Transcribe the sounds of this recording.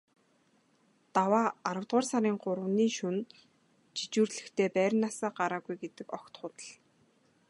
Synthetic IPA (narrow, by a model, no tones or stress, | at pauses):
t̪awaːaɾə̆wt̪ʁʊːrsaɾiːɴɢʊɾə̆wniːʃun | t͡ɕʰi̥t͡ɕuːrɮɘ̆xt̪ʰeːpæːɾ̆ʲnːasaːɢaɾaːɣujɡet̪ɘ̆kɔkt̪χʊːt̪ə̥̆ɮ